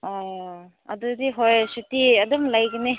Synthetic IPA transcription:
ɔ | ɐ̰d̪udiɦojsutiɐd̪ɔmlajɡine

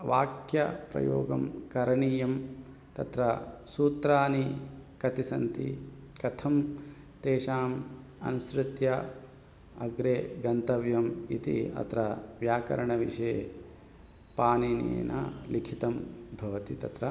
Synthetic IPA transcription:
ʋaːkjɐ̰pɾɐ̰jo̰ːɡɐmkɐɾɐɳiːjɐm | t̪ɐt̪ɾɐsuːt̪ɾaːnikɐt̪isɐnt̪ḭ | kɐt̪ʰɐm | t̪eːʃaːm | ɐ̰nusɾɪt̪jɐ | ɐɡɾeːɡɐnt̪ɐʋjɐmit̪ḭɐ̰t̪ɾɐʋjaːkɐ̰ɾɐɳɐʋiʂeː | paːninḛːnʔɐ̰likʰit̪ɐmbʱɐʋɐt̪it̪ɐt̪ɾɐ

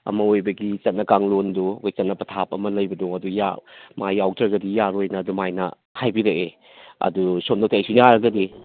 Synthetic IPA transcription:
ɐ̰mɐojbɐɡit͡ʃɐt̚nɐkaŋlondukʰɔjt͡ʃɐtnɐpɐtʰapɐmɐlɐjbɐdɔŋɐduja̰majawtʰɐɡɐdijaɾojnɐːdumajnɐ̰ | hajbiɾɐʔe | ɐ̰dusomndok̚tʰajsujaɾɐɡɐdi

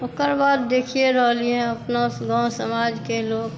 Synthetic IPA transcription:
okəɾbaːd̪̚ːeːkʰijeɾəɦliẽɐpnaɡãːsəmaːd͡ʒkeloːɡ

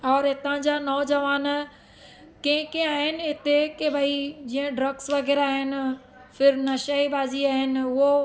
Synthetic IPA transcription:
ɔːɾɦɪt̪ãd͡ʑaːnɔːd͡ʑɐʋaːn | kẽɪ̃kẽaːɦɪnɪ̆ɦɪt̪ekebʱɐid͡ʑĩːə̃ɖɾɐɡsʋɐɣɛːɾaːɦɪnɪ̆ | fɪɾnɐʃaibaːziaːɦɪnɪ̆ʊɦo

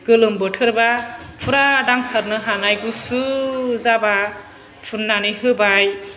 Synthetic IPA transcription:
ɡ̥ɯlɯmbɯtʰɯɾbapʰuɾadaŋsaɾnɯɦanajɡusuzaba | pʰunːanɯjɦɯbaj

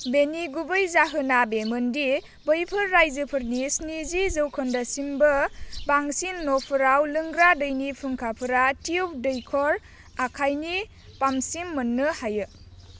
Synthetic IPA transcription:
beniɡubɯjzaɦɯnabemɯndi | bəjpʰɯɾːajzɯpʰɯɾnisnizizɯwkʰɔndɐsimbɯbaŋsinːopʰɯɾawlɯŋɡɾadɯjnipʰɯŋkʰapʰɯɾatiup̚ʰdɯjkʰɔɾ | akʰajni | pamsimːɯnːɯhajɯ

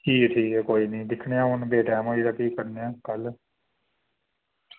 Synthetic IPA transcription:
kiːkʈʰiːkɛːkoːiːnəĩːd̪ɪkʰɳejãːɦʊnbeːʈaːmaiːd̪akiːkəɾnejãːkəl

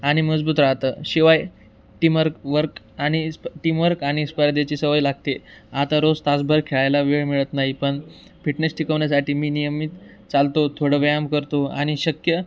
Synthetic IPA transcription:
aɽ̃iməd͡zbuːt̪ɾaɦt̪əːɕiʋaj | ʈiməɾkʋəɾk | aɽ̃isʈimʋəɾkaɽ̃ispəɾd̪et͡ɕiːsəʋəjlaɡ̚t̪eat̪aɾod͡zt̪asbʱəɾkʰeɭajlaʋeɭmiɭət̪naɦipəɳ | fiʈnəsʈʰikəʋɳjasaʈʰiːmiːnijəmit̪ | t͡salt̪ot̪ʰoɽəʋəjamkəɾt̪oa̰ɽ̃iɕəkjə

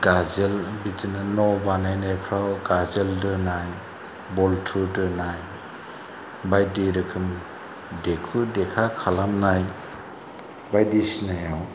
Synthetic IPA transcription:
ɡ̥azelbitʰinɯnɔbanajnajpʰɾawɡazeldɯnaj | bɔltʰudɯnaj | bajdiɾɯkʰɯm | dekʰudekʰakʰalamnaj | bajdisinajaw

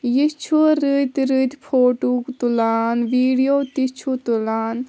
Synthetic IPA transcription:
jit͡ʃʰuɾɨt̪ɾɨt̪pʰoːʈukt̪ulaːnʋiːɽijoːt̪it͡ʃʰut̪ulaːn

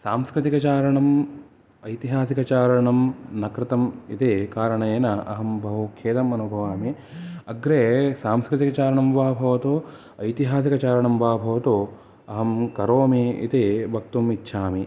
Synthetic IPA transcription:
saːmskɾɪt̪ikɐt͡ʃaːɾɐɳɐm | ɐjt̪iɦaːsikɐt͡ʃaːɾɐɳɐmnɐkɾɪt̪ɐmit̪ikaːɾɐɳɐjeːnɐɐ̰ɦɐmbʱɐɦukʰeːt̪ɐmɐnubʱɐʋaːmi | ɐɡɾeːsaːmskɾɪt̪ikɐt͡ʃaːɾɐɳɐmʋaːbʱɐʋɐt̪u | ɐjt̪iɦaːs̬ikɐt͡ʃaːɾɐɳɐmʋaːbʱɐʋɐt̪u | ɐɦɐmkɐɾoːmiḭt̪ibʱɐk̚t̪umitːʃʰaːmi

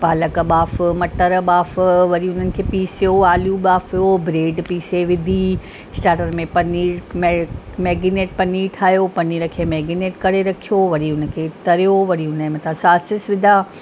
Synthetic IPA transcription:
paːləkɐɓaːfmɐʈəɾɓaːfʋɐɾiʊn̤ənɪ̆kʰeːpiːsijoaːljũɓaːfijobɾeːɖpiːseʋɪd̪ʱi | sʈaːʈəɾmẽpɐniːmmɛːɡɪneːʈ̚pɐniːʈʰaːjopɐniːɾəkʰeːmɛːɡɪneːʈkɐɽeɾɐkʰijoʋɐɾiʊnə̆kʰeːt̪ɐɾijoʋɐɾiʊnəmẽt̪ʰãsaːsɪsʋɪd̪ʱaː

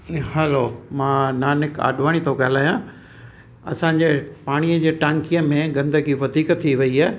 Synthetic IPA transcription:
hɛlomãːnaːnɪka̰ːɗʱʋaːɽ̃it̪ʰokaːɦlaːjã | ɐ̰sãɲd͡ʑeːpaːɽ̃ijəd͡ʑeːʈãŋkijəmẽɡɐ̃nd̪əɡiʋɐd̪ʱiːkt̪ʰiʋɐiaː

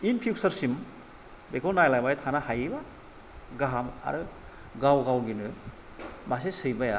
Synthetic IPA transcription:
inpʰiwsɐɾsim | bekʰɔlnajlajmajatʰanahajiba | ɡaɦama̰ɾɯ | ɡawɡawɡinɯ | mas̬esɯjbaja

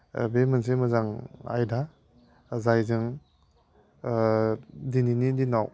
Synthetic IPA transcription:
bemɯns̬emɯzaŋa̰jda | zajzɯŋ | dininidinaw

